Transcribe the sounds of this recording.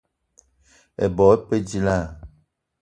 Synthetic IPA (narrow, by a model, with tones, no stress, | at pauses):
ḛ˨bɔ˨e˦pe˦d͡ʒi˦la˦˨